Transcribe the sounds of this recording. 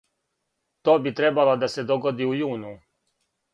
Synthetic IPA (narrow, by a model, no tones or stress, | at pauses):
t̪oːbit̪ɾebalod̪ase̞d̪oɡod̪iujuːnu